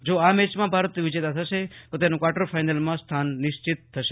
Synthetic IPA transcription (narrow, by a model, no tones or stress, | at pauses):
d͡ʒoamɛt͡ʃmãbʱaɾət̪ʋɪd͡ʒet̪at̪ʰəʃet̪ot̪enũkʋaʈəɾfajnəlmãst̪ʰanːɪʃt͡ʃit̪ʰːəʃe̥